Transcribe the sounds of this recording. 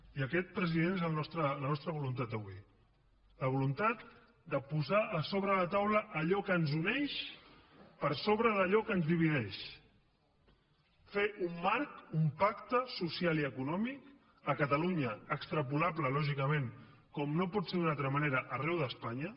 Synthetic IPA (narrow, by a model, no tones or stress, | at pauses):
iəkɛt̪̚pɾəziðenezəlnɔst̪ɾələnɔst̪ɾəβulunt̪at̪əβwi | ləβulunt̪at̪ | d̪əpuzaʔəsoβɾələt̪awləʔːʎɔkənzunɛʃ | pəɾsoβɾəðəʎɔkənzðiβ̞iðɛʃ | feʔumːaɾkumpakt̪əsusialiəkunɔmik | əkət̪əluɲəəkst̪ɾəpulabləlɔʒikəmeŋ | kɔmnopɔt̪seɾðunalt̪ɾəməneɾəʔərɛwðəspaɲə